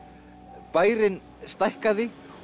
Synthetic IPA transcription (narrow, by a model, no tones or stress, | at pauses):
paːjɾɪn | st̪ajhkaðɪ